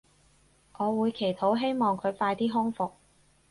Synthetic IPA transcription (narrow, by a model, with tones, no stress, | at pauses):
ʔɔː˨˧wuː˨˧jkʰe˨˩jt̪ʰo˨˥wɦe˥jmɔː˨ŋkʰɵ˨˧ɥfaː˧jt̪iː˥ɦʊ˥ŋfʊ˨k̚